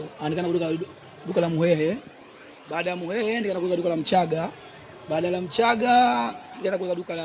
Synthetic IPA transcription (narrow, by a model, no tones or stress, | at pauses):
andikanaɗuka | ɗukalamuhɛhɛ | ɓaːɗajamuhɛhɛndikanak̬uzaɗukalam̩t͡ʃaɡa | ɓaːɗalam̩t͡ʃaɡandikanakuuzaɗukala